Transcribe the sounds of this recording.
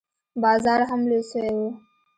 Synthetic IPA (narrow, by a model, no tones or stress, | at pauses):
bɑzɑɾɦamlesəwewu